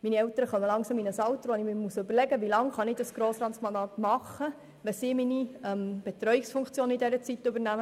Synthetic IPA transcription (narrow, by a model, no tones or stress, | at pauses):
miniɛwt̪əɾəχœməlɑŋsɑminəsɑwt̪ɾʋonɪmimusɵbəɾlɛɡəʋilɑŋχɑnɪd̥ɑsɡ̥ɾoːsɾɑtsmɑndɑːt̪mɑχə | ʋɛsiːminiɛmb̥ɛt̪ɾœʏɥiksfuŋkt͡sjoːnidɛɾət͡sit̪ːʏbəɾnæmə